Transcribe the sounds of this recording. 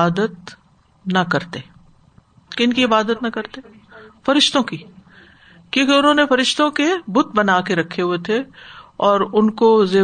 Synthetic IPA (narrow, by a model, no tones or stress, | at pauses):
aːd̪ət̪ | nɐkɐɾt̪eː | kɪnkiɪbaːd̪ət̪nɐkɐɾt̪eː | fɐɾɪʃt̪õki | kjõːkeʊnɦõːnefɐɾɪʃt̪õkebʊt̪̚ʰbɐnaːkeɾɐkʰːeɦuet̪ʰeɔːɾʊnkozeː